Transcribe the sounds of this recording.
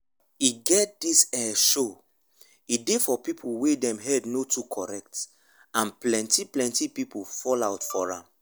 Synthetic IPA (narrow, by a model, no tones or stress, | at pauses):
iɡɛt̚disɛʃo | idefɔpipʰuwedɛ̃mɦɛdnotʰukʰɔɹɛk̚t | ãnplɛ̃ntiplɛ̃ntipipufɔlaʊtfɔɹã̰m